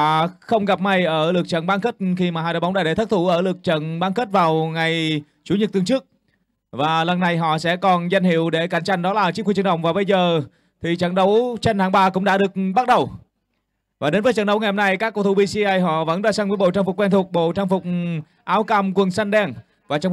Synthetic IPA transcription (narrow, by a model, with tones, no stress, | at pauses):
xə˧wŋ͡mɣa˨˩p̚ma˧˩jʔəː˧˩lɨ˨˩ək̚t͡ɕə̰˧˨nɓaː˧ŋxə˦˥t̚xi˧maː˨˩haː˧˩ɗə̰ː˨˩jɓŋ͡mɗaː˧˩ɗe˧˩t̪ə˦˥t̪ʰu˧˩ʔəː˧˩lɨ˨˩ək̚t͡ɕə̰˧˨nɓaː˧ŋxə˦˥t̚vaː˨˩wŋa˨˩j | t͡ɕu˨˦ɲə˨˩t̚t̪ɨ˨˩əŋt͡ɕɨ˦˥ək̚ | vaː˨˩lə˨˩nːa˨˩jɦɔ̰˧˨sɛ̰˧˥kɔ˨˩nzə˧jŋ̟hḭ˧˨əwɗe˧˩ka˧˩jŋ̟t͡ɕa˧jŋɗɔ˨˦laː˨˩t͡ɕi˧˥kxi˧˩˨t͡ɕə˨˩ɗə̰˧˨wŋ͡mvaː˨˩ɓə˧jzəː˨˩ | t̪ʰi˨˩t͡ɕə̰˧˨˩nɗə˨˦wt͡ɕe˧nhaː˨˩ŋɓaː˧˩kʊ̰˧˥ŋ͡mɗa̰˧˥ɗɨ˨˩ək̚ɓa˦˥t̚ɗə˨˩w | vaː˨˩ɗe˨˦nvə˨˦jt͡ɕə̰˧˩nɗə˨˦wŋa˨˩jho˧ŋ͡mna˧jkaː˦˥kːə˧wt̪ʰu˧wɓi˧si˧ʔaː˧jɦɔ̰˧˨və̰˧˥nzaː˧˩saː˧ŋvəː˨˦jɓo̰˧˨t͡ɕaː˧ŋfʊ˨˩k͡pkːwɛ˧nt̪u˨˩k͡p̚ɓo̰˧˨t͡ɕaː˧ŋfʊ˨˩k͡p̚ | ʔaː˨˦wka˧mkwə˨˩ənsa˧nɗɛ˧n | vaː˨˩t͡ɕə˧˩